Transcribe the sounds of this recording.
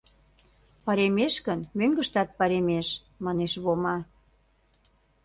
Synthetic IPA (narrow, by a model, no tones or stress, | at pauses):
pɑɾemeʃkənmøŋɡə̆ʃt̪ɑt̪̚pɑɾemeʃ | mɑneʃβomɑ